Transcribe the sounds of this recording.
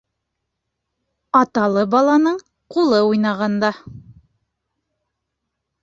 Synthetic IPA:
ɑt̪ɑlˠɤbɑlˠɑnɤɴ | qulˠɤujnɑʁɑnd̪ɑ

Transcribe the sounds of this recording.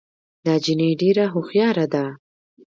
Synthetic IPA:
d̪ɑd͡ʒinəjɖeɾaɦʊxjɑɾad̪a

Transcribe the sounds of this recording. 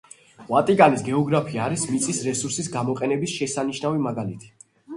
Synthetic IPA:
vat̪ʼiɡanisɡɛɔɡɾapʰiaːɾismit̪sʼisɾɛsuɾsisɡamɔqʼɛnɛbisʃɛsaniʃnavimaɡalit̪ʰi̥

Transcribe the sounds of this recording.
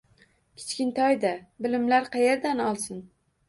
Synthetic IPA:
kʲʰɪ̥t͡ʃkʲɪnt̪ʰɒjd̪abɪlɪmlaɾqʰɑjeɾd̪anɒlˠsɪn

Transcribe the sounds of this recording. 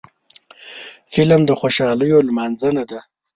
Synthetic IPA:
fɪlmd̪əxoʃɑləjolmɑnzənad̪a

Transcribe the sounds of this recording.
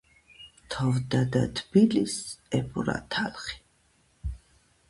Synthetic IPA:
t̪ʰɔvd̪ad̪at̪ʰbilisɛpʰʼuɾa̰t̪ʰalχi̥

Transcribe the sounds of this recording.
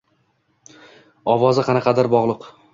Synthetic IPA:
ɒwɒzɪqʰɑnaqʰɑd̪aɾbɒʁlˠʊq

